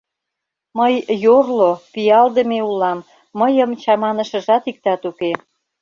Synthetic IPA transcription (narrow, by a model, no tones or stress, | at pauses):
məjjorlopijɑld̪əmeulːɑmː | əjəmt͡ɕɑmɑnə̆ʃə̆ʒɑt̪ik̚t̪ɑt̪uke